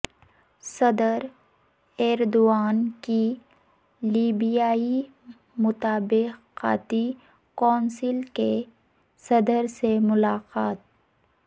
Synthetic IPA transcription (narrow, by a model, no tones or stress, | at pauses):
sɐd̪əɾ | ɛːɾd̪oaːnki | liːbijaːi | mʊt̪aːbɪqa̰ːt̪i | kɔːnsɪlke | sɐd̪əɾsemʊlaːqaːt̪̚